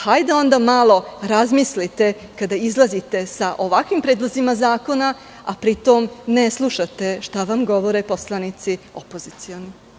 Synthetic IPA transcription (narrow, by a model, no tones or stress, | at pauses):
hajd̪ao̞nd̪amalˠo̞ɾazmislit̪e̞ | kad̪aizlˠazit̪e̞saʔo̞ʋakʋimpɾeːd̪lˠozimazaːko̞na | apɾit̪o̞mneslˠuʃat̪e̞ʃt̪aʋamɡo̞ʋo̞ɾepo̞slˠanit̪sio̞po̞zit̪sioni